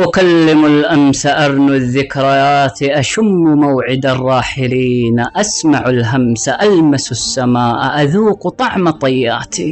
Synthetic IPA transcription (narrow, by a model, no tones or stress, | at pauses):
ʔʊkalːɪmalʔamsaʔɑɾˤnʊðːɪkɾˤɑaːt̪iʔaʃʊmːmawʕɪd̪arˤːɑːħɪliːnʔasmaʕalɦamsaʔalmasasːamaːʔʔaðuːqt̪ˤɑʕmat̪ˤɑjːaːt̪ʰi